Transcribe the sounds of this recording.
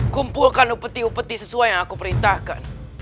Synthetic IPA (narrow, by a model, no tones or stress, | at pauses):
kumpulkanupət̪iupət̪isəsuajaŋakupəɾint̪ahka̰n